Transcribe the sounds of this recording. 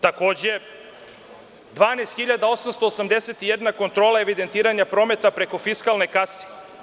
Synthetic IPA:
t̪ako̞ːd͡ʑee | d̪ʋaːnest̪xiʎad̪ao̞samst̪o̞ːsamd̪eset̪ije̞d̪nako̞nt̪ɾo̞ːlˠae̞ʋid̪e̞nt̪iːɾaɲapɾo̞ːme̞t̪apɾe̞ko̞fiskalne̞kase̥

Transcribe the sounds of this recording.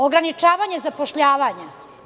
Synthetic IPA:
oɡɾanit͡ʃaːʋaːɲezapoʃʎaːʋaɲe

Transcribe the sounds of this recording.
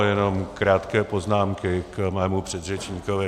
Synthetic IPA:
jɛno̞mkɾaːt̪kɛːpoznaːmkɪkmɛːmupr̥ɛd̪rɛt͡ʃɲiːkovɪ

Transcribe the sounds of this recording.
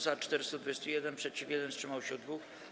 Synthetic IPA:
zat͡ʂt̪ɛɾɘst̪ud̪vujɛst̪ujɛd̪ɛnpʂɛt͡ɕifʲjɛd̪ɛnstʂɘmawɕɛd̪vux

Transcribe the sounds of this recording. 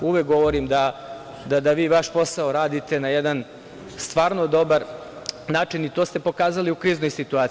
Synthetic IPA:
uʋek̚ɡo̞ʋoɾimd̪a | d̪ad̪aʋiːʋaʃpo̞saoɾaːd̪it̪e̞najed̪an | st̪ʋaːɾno̞d̪o̞baɾ | naːt͡ʃinit̪ost̪e̞po̞kaːzaliukɾiːznojsit̪uaːt̪

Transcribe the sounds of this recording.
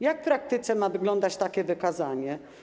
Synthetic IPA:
jakfpɾak̚t̪ɨt̪sɛmavɘɡlɔnd̪at͡ɕt̪akʲɛvɘkazaɲɛ

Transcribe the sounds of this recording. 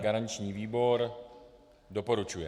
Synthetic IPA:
ɡaɾaɲt͡ʃɲiːviːbo̞ɾ | do̞po̞ɾut͡ʃujɛ

